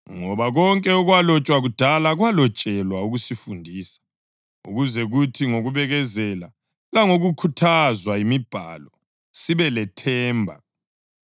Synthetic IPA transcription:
ŋɔβaɣɔŋkʼɛɔɣwalɔt͡ʃʼwaɣud̥ʱalaɣwalɔt͡ʃʼɛlwauɣusifundʱiːsḁ | uɣuzɛɣutʰiŋoɣuβɛɣɛzɛla | laŋoɣukʰutʰazwaimib̥ʱa̰ːlɔ | siβɛlɛtʰɛːmbʱa̰

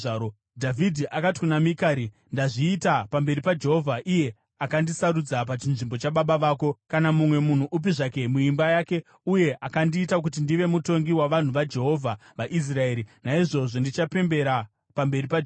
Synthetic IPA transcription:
o | dʱavʱidʱiʔakati̥kunamikaɾi | ndaʐiːtapambe̞ɾipad͡ʒe̞ɦo̞vʱaʔije̞ | akandisaɾud͡zap̬at͡ʃinʐimbo̞t͡ʃaɓaɓaʋaːko̞kanamumwe̞mun̤uʔup̬iʐake̞muimbajaːke̞ | uje̞ʔakandiːtak̬ut̬indiʋe̞muto̞ŋɡiwaʋan̤uʋad͡ʒe̞ɦo̞vʱaʋaʔis̬rae̞ːɾinaiʐo̞ʐo̞ndit͡ʃape̞mbe̞ɾa | pambe̞ripa

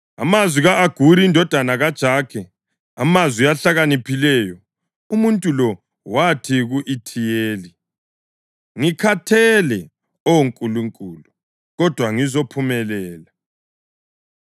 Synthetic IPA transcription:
a̰mazwiɣaʔːɡ̥ʱuɾiːndʱɔd̥ʱanaɣad̥ʒ̥ʱaːkʰɛ | a̰mazwiaɬaɣanipʰilɛːjɔ | umuntʼulɔ | watʰiɣuʔitʰijeːli | ŋikʰatʰɛlɛ | owuŋkʼuluŋkʼuːlu | ɣɔd̥ʱwaŋizɔpʰumɛlɛːla

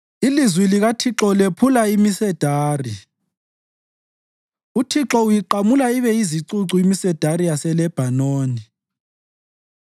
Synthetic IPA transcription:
ilizwiliɣatʰiǁɔlepʰulaimisɛd̥ʱaːri | utʰiǁɔujiǃamulaiβɛiziǀuǀuimisɛd̥ʱarijasɛlɛb̥ʱanoːni

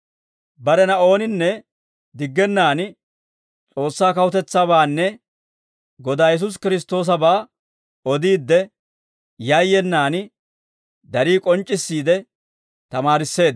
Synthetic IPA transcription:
bɐɾɛnɐo̞ːnɪnːɛ | d̪ɪɡːɛnːaːn | t͡sʼo̞ːsːaːkɐwʊt̪ɛt͡sːaβaːnːɛ | ɡɔd̪aːjɛs̬ʊs̬kɪɾɪs̬t̪o̞ːs̬ɐbaː | ɔd̪iːd̪ːɛ | jɐjːɛnːaːn | d̪ɐɾiːkʼɔnt͡ʃʼːɪsːiːd̪ɛ | t̪ɐmaːɾɪsːe̞ːd̪

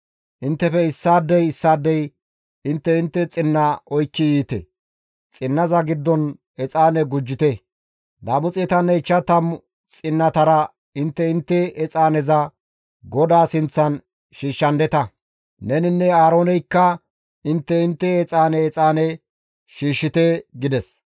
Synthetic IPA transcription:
ʔɪnt̪ːɛfɛɪsːaːd̪ːɛjɪsːaːd̪ːɛj | ɪnt̪ːɛɪnt̪ːɛt͡sʼɪnːɐɔjkːɪjiːt̪ɛ̰ | t͡sʼɪnːɐzɐɡɪd̪ːɔn | ɛt͡sʼaːnɛɡʊd͡ʒːɪt̪ɛ | daːmʊt͡sʼet̪ɐnːɛɪt͡ʃːɐt̪ɐm | t͡sʼɪnːɐt̪ɐɾɐ | ɪnt̪ːɛɪnt̪ːɛːt͡sʼaːnɛzɐ | ɡɔd̪aːsɪnt͡sːɐn | ʃiːʃːɐnd̪ɛt̪ɐ | nɛnɪnːɛaːɾoːnɛjkːɐ | ɪnt̪ːɛɪnt̪ːɛɛt͡sʼaːnɛːt͡sʼaːnɛ | ʃiːʃːɪt̪ɛɡɪd̪ɛs

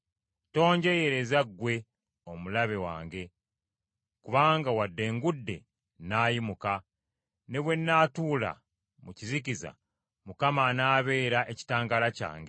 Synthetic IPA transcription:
to̞ːɲɟejeɾe̞zaɡwe̞ | o̞mulaβe̞wa̰ːŋɡe̞ | kuβaːŋɡawadːe̞ːŋɡudːe̞̰ | naːjimuka | ne̞βwe̞nːaːtuːla̰ | muciziciza̰ | mukamanaːβe̞ːɾaʔe̞ci̥taːŋɡalaca̰ːŋɡe

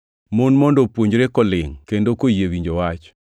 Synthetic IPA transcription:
monmondopwoɲd͡ʒɾekɔlɪŋkendokojewiɲd͡ʒɔwat͡ʃ

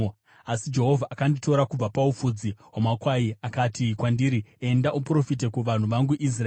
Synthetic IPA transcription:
asid͡ʒe̞ɦo̞vʱaʔakandito̞ɾakub͡vapaufud͡ziɦwamakwaiakatikwandiɾie̞ndaʔupro̞fit̬e̞kuʋan̤uʋaŋɡuʔis̬ra

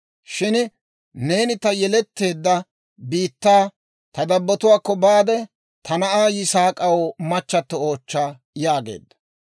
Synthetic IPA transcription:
ʃɪn | ne̞ːnɪt̪ɐjɛlɛt̪ːe̞ːd̪ːɐ | biːt̪ːaː | t̪ɐd̪ɐbːɔt̪ʊwaːkːɔbaːd̪ɛ | t̪ʰɐnɐʔaːjɪsaːkʼɐwomɐt͡ʃːɐt̪ːɔo̞ːt͡ʃːaː | jaːɡḛːd̪ːɐ̥

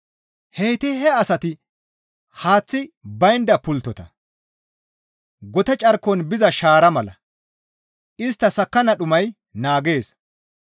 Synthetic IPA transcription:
hɛjt̪ɪɦɛɐsɐt̪ɪ | haːt͡sːɪbɐjnd̪ɐpʊlt̪ːɔt̪ɐ | ɡɔt̪ɐt͡ʃʼɐɾkːɔnbɪzɐʃaːɾɐmɐlɐ | ɪst̪ːɐsɐkːɐnɐɗʊmɐj | naːɡe̞ːs

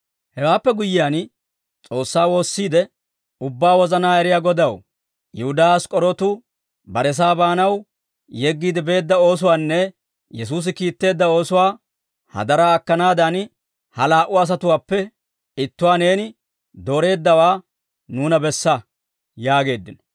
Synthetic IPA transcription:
hɛwaːpːɛɡʊjːɪjaːn | t͡sʼo̞ːsːaːwo̞ːsːiːd̪ɛ | ʊbːaːwɔzɐnaːɛɾɪjaːɡɔd̪ɐw | jɪhʊd̪askʼɔɾɔt̪ʊ | bɐɾɛs̬aːbaːnɐw | jɛɡːiːd̪ɪbe̞ːd̪ːɐo̞ːs̬ʊwaːnːɛ | jɛs̬uːs̬ɪkiːt̪ːe̞ːd̪ːɐo̞ːsʊwaː | hɐ̰d̪ɐɾaɐkːɐnaːd̪ɐn | hɐlaːʔʊɐs̬ɐt̪ʊwaːpːɛ | ɪt̪ːʊwaːne̞ːnɪ | d̪o̞ːɾe̞ːd̪ːɐwaː | nuːnɐbɛsːɐ | jaːɡe̞ːd̪ːɪnɔ̥

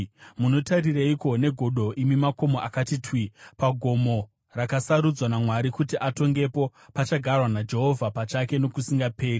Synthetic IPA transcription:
muno̞tariraiko̞ne̞ɡʱo̞ɗo̞ʔimimako̞moʔakatitwipaɡʱo̞mo̞ | rakasaɾud͡zwanamwaɾikutiʔato̞ŋɡe̞po̞pat͡ʃaɡʱarwanad͡ʒe̞ɦo̞vʱapat͡ʃake̞no̞kusiŋɡape̞ːri

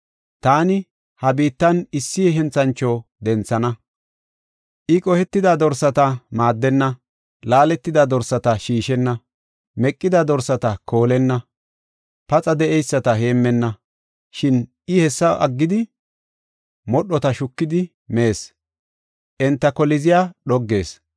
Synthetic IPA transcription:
t̪aːnɪ | hɐbiːt̪ːɐnɪsːɪɛɦɛnt͡sːɐnt͡ʃːɔd̪ɛnt͡sːɐnɐ | ʔɪkʼɔhɛt̪ːɪd̪ɐd̪ɔɾsɐt̪ɐmaːd̪ːɛnːɐ | laːlɛt̪ːɪd̪ɐd̪ɔɾsːɐt̪ɐʃiːʃɛnːɐ | mɛkʼːɪd̪ɐd̪ɔɾsːɐt̪ɐko̞ːlɛnːɐ | pɐt͡sʼɐd̪ɛʔɛjsːɐt̪ɐɦe̞ːmːɛnːɐ | ʃɪn | ɪhɛsːɐʔɐɡːɪd̪ɪ | mɔɗːɔt̪ɐʃʊkːɪd̪ɪ | meːs | ʔɛnt̪ːɐkɔlɪzɪjaːɗɔɡːe̞ːs

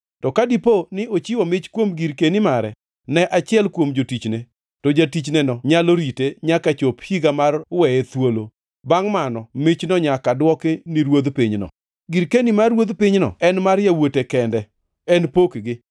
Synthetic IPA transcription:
tɔkadiponɪot͡ʃɪwɔmɪt͡ʃkwomɡiɾkenimaɾɛ | nɛʔat͡ʃɪɛlkwomd͡ʒotit͡ʃne | tod͡ʒatit͡ʃnɛnɔɲaloɾiteɲakat͡ʃophiɡamarwɛɛt̪wolo | baŋmanɔmɪt͡ʃnɔɲakadwɔkeniɾwod̪pɪɲnɔ̰ | ɡiɾkenimarwod̪pɪɲnɔ̰ɛnmaɾjawotekɛndɛ | ɛnpokɡɪ

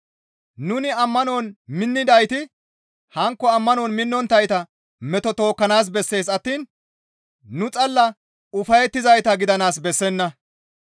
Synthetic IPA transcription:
nʊnɪɐmːɐnɔnmɪnːɪd̪ɐjt̪ɪ | hɐŋkːɔɐmːɐnɔnmɪnːɔnt̪ɐjt̪ɐ | mɛt̪ɔt̪o̞ːkːɐnaːs̬bɛsːe̞ːs̬ɐt̪ːiːn | nʊt͡sʼɐlːɐ | ʊfɐjɛt̪ːɪzɐjt̪ɐɡɪd̪ɐnaːsbɛsːɛnːɐ

